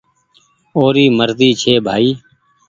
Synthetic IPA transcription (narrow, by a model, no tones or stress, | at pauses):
oːɾiːməɾziːt͡ʃʰeːbʱaːiː